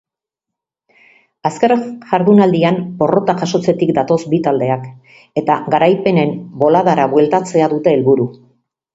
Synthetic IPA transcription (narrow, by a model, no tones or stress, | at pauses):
askeɾʝaɾðunald̪iampo̞ro̞t̪aʝaso̞t͡se̞t̪ikd̪at̪o̞sbit̪ald̪e̞ak | e̞t̪aɡaɾajpe̞ne̞mbo̞laðaɾaβwe̞lt̪at͡se̞aðut̪e̞ːlβuɾu